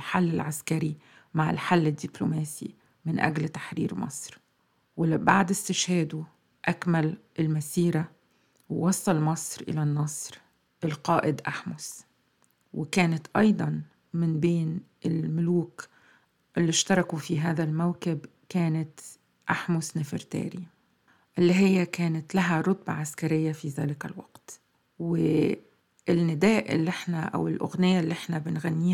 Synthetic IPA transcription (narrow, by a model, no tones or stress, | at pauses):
lħalːɪlʕaskaɾi | maʕɪ̰lħalːɪd̪ːɪplʊ̰maːsḭ | mɪnʔa̰ɡlt̪ḁħɾḭːɾmɑ̰sˤɾ | wɪbaʕd̪ɪst̪ɪʃhaːd̪u | ʔakmal | ɪlmasiːɾa | wwɑsˤːɑlmɑsˤɾʔɪ̰lanːɑsˤɾ | ʔɪlqɑːʔɪd̪ʔaħmʊs | wɪkæːnɪt̪ʔɑjd̪ˤɑn | mɪnbeːn | ɪlmʊluːk | ʔɪlːiʃt̪ɑɾˤɑkufiɦaːðalmawkɪb | kaːnat̪ | ʔaħmʊsnɪfɪ̰ɾt̪a̰ːɾi | ʔɪlːiɦɪjːakaːnat̪laɦaɾˤʊt̪̚bɑ̰ʕaskaɾɪjːafiðaːlɪkalwɑ̰qt̪ | wɪ | ɪlnːɪd̪aːʔʔɪ̰lːiʔɪħnaʔa̰wɪlʔʊ̰ɣnɪjalːiʔɪħnabɪnɣanːiː